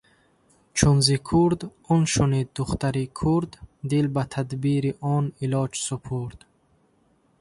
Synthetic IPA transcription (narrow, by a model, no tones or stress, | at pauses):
t͡ʃʰunzikʰuɾd̪ɔnʃunid̪d̪uχt̪aɾikʰuɾd̪ːilbat̪ʰad̪biɾiʔɔnilɔd͡ʒsupʰuɾd̪̥